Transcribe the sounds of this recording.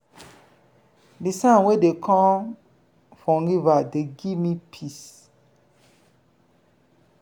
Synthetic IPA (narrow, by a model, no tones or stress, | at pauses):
bisãwedekʰɔ̃ | fɔ̃ŋɡivadeɡimĩpʰis